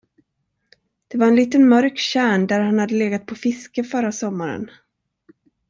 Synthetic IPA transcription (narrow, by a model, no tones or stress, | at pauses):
d̪̥ɛvaɾɛnliːt̪ənmœɾkɕæːɳd̪æɾhanhad̪ːəleːɡat̪̚pʰɔfɪskəfœɾːasɔmːaɾə̰n